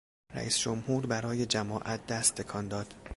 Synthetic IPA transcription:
ɾæ̰ʔiːsd͡ʒomhuːɾbæɾɒːje̞d͡ʒæmɒːʔæt̪̚ʰd̪æst̪ʰːe̞kʰɒːnd̪ɒːd̪̥

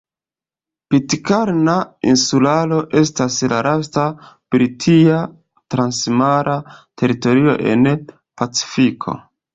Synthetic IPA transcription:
pitkaɾnainsulalo̞ʔe̞s̬taslaɾastapɾitʰia | tɾansmaɾʔatʰe̞ɾito̞ɾio̞̰ʔe̞̰n | pat͡si̥fikʰo̞̰

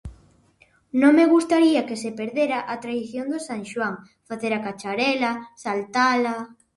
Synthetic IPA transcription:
nõŋmeɣust̪aɾiakesepeɾðeɾaʔat̪ɾaiθjond̪ʊsaŋʃwaŋ | faθeɾakat͡ʃaɾɛlasalt̪ala

